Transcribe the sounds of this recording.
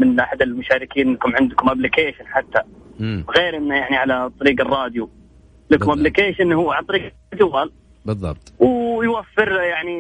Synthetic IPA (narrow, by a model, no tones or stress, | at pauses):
mɪnʔaħad̪almʊʃaːɾɪkiːnlakʊmʕɪnd̪kʊmablɪkeːʃɪnħat̪ːaɣeːɾʔɪnːajaʕniʕalat̪ˤːɑɾiːɡɑrˤːɑːd̪ju | lakmablɪkeːʃɪnhuːʕalɑt̪ˤɑɾiːɡ | d̪uwal | bɨðˤːɑbt̪ˤwjwafːɪɾjaʕni